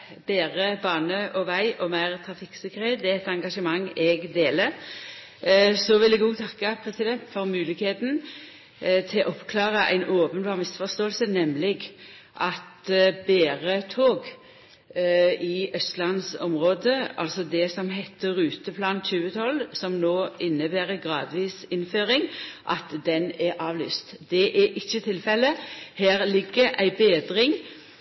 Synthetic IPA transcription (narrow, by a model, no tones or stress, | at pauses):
b̥eːʁəbɑːnəʔɔʋæɪʔɔmæɪʁt̪ʰʁɑfɪksəkʁeːd̪ɛɛt̪ɑŋɡɑʂəmɑŋːɛɡd̪eːləʁ | sɔʋɪlɛɡuːt̪ʰɑkːɑpʰɾɛsɪd̪ɛnt̪fɔɾmʉːlɪkheːt̪n | t̪ʰɪlʔɔpːkʰlɑːʁəʔæ̰ɪnoːpənbɑːʁmɪsfɔst̪oːlsənɛmlɪɡ | ʔɑt̪beːʁət̪ʰoːɡ | ɪʔœst̪lɑnsɔmʁoːd̪əɑ̰lsɔd̪ɛsɔmɦɛt̪ʰːəʁʉːt̪əpʰlɑːnc͡çʉːət̪ʰɔlsɔmnoːɪnːəbæːʁəɡʁɑːd̪ʋiːsɪnføːʁɪŋʔɑt̪d̪ɛnɛʁʔɑːʋly̰ːst̪d̪̥ɛʔɛʔɪçːət̪ʰɪlfɛlːəhæːʁlɪɡːəʔæɪbeːd̪ʁɪŋ